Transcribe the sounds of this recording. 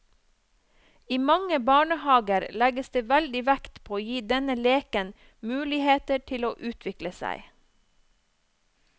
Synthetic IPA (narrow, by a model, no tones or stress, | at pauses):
iːmɑŋəbɑːɳəhɑːɡəɾlæɡəsd̪eːʋæld̪ɪʋækt̪pʰoːoːjiːd̪ɛnəleːkən | mʉːlɪheːt̪əʈʰɪloːʔʉːt̪ʰʋɪkləsæ̰ɪ